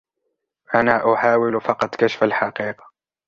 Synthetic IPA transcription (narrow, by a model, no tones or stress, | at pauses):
ʔanaːʔʊħaːwɪlfɑqɑt̪kaʃḁfalħɑqiːqɑ̥